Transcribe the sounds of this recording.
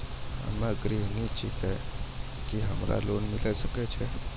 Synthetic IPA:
ə̰maɡɾinit͡ʃʰikɛ | kiɦəmɾa̰lonmilʔɛsəkɛt͡ʃʰɛ

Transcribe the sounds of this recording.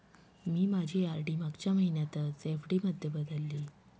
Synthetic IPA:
miːmad͡ʑʱiːaɾɖiːmaɡt͡ɕjaməɦinjat̪ət͡sefɖiːməd̪ʱjəbəd̪ʱəlːiː

